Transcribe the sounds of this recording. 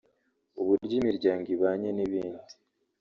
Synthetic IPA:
uβuɾɟimiɾɟaːŋɡiβaːɲe̞niβiːndi

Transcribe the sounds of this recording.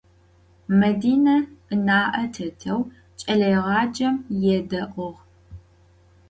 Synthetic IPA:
mɐdiːnɐʔɨnaːʔɐtʰɐtʰɐw | t͡ʃʼɐɮɐjʁɑːd͡ʒɐmjɛdɐʔʷʼɔʁ

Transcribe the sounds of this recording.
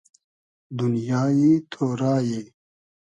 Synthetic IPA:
d̪unjaːit̪ʰoːɾaːje

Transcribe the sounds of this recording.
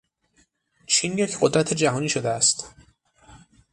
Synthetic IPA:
t͡ʃʰinjecʰɢod̪ɾæt̪ʰed͡ʒæɦɒːniːʃod̪eæst̪

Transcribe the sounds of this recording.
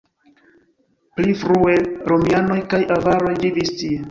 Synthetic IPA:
plifɾue̞ɾomiano̞jkajʔavaɾo̞jvivistie

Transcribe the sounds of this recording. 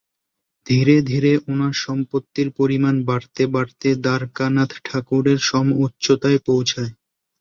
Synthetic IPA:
d̪ʱiɾed̪ʱiɾeʔonaɾʃɔmpot̪ːiɾpoɾimanbaɽt̪ebaɽt̪ed̪aɾkanat̪ʰʈʰakuɾeɾʃɔmotːɕot̪aepowt͡ɕʰae

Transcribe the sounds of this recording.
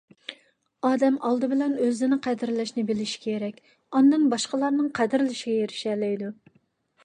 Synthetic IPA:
ɑːd̪ɛmʔɑlˠd̪ɨbɪlɛnøzɪnɪqʰæd̪ɪɾlɪʃnɪbɪlɪʃi̥kʲʰeɾɛkʲ | ɑnd̪ɨnbɑʃqəlˠɑɾnɨŋqʰæd̪ɪɾlɪʃiɡʲɛjeɾɪʃɛlɛjd̪u

